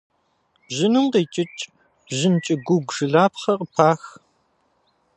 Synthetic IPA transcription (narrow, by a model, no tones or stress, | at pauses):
bʒɪnɨmqeːt͡ʃʼɪt͡ʃʼ | ʑɪnt͡ʃʼɪɡʷʊɡʷʒɨɮaːpχɐrəpʰaːx